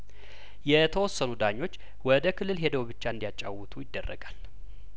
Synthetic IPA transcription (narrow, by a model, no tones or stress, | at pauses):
jɛt̪ʰəwɔsːənud̪aɲːo̞t͡ʃː | wɔd̪əkʰɨlːɨlɦe̞d̪əwbɨt͡ʃːaɨnd̪ijat͡ʃʼa̰wɨt̪ʰʼujɪd̪ːərːə̰ɡal